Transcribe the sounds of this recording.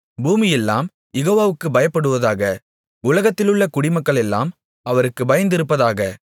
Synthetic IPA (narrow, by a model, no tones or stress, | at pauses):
buːmɪjɛlːaːm | jɛɣoːʋaːʋɯkːɯbɐjɐpːɐɽɯʋɐðaːɣɐ | ʊlɐɣɐt̪ːɪlɯɭːɐkʊɽɪmɐkːɐɭɛlːaːm | ɐʋɐɾɯkːɯbɐjɐnd̪ɪɾɯpːɐðaːɣɐ